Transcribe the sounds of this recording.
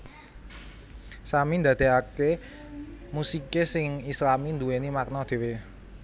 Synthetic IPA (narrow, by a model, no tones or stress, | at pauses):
samind̪ä̤d̪̥e̤ake | musikesɪŋislamind̪uwenimak̚nɔd̪̥e̤we